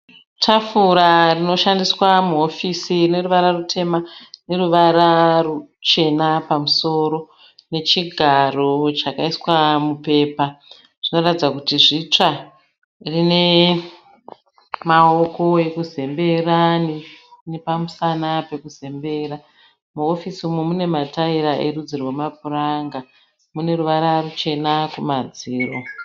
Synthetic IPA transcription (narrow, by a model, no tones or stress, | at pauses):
tʰafuɾarino̞ʃandiswamuo̞fisine̞ruʋaɾarutʰe̞mane̞ɾuʋaɾarut͡ʃe̞napamuso̞ːɾo̞ | ne̞t͡ʃiɡʱaro̞t͡ʃakaiswamupe̞ːpa | ʐ̥ino̞ratid͡zakutiʐit͡ʂa | rine̞ | maoko̞e̞kuze̞mbe̞raninepamusanape̞kuze̞mbe̞ɾa | muofisimomune̞mataiɾaʔe̞ɾud͡zirwemapuraŋɡa | mune̞ruʋaɾarut͡ʃe̞nakumad͡ziːro